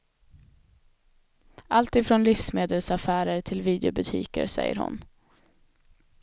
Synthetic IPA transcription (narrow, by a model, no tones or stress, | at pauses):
alt̪ɪfɾonlɪfsmeːd̪əlsafæːɾəɾʈʰɪlviːd̪ɛʊbɵt̪ʰḭːkəɾsɛ̰jːə̰ɾhʊ̰n